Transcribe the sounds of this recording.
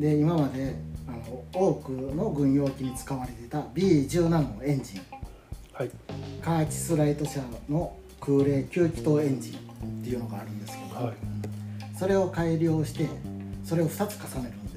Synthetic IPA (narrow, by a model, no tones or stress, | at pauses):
d̪e̞imamad̪e̞anoo̞ːkɯ̟no̞ɡɯ̟̃ɰ̃jo̞ːkʲiɲ̟it͡sɨ̥kaβaɾe̞t̪e̞t̪abʲiːʑɨːnãnːo̞ẽ̞ɲ̟d͡ʑĩŋ | kaːt͡ɕi̥sɨɾait̪o̞ɕano̞ | kɯ̟ːɾe̞ːkʲɨːkʲi̥t̪o̞ẽ̞ɲ̟d͡ʑĩnt̪ːe̞iɯ̟no̞ɡaːɾɯ̟̃nd̪e̞sɨ̥ke̞d̪omo | so̞ɾe̞o̞kaiɾʲjo̞ːɕi̥t̪e̞so̞ɾe̞o̞ɸɯ̟t̪at͡sɨ̥kasane̞ɾɯ̟nd̪e̞